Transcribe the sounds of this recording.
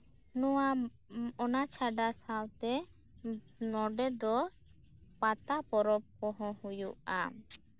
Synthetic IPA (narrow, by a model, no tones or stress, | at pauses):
nɔwa | ɔnat͡ʃʰaɖasawt̪ɛ | nɔɖɛd̪ɔ | pat̪apɔɾɔp̚kɔɦɔ̃hujuʔa̰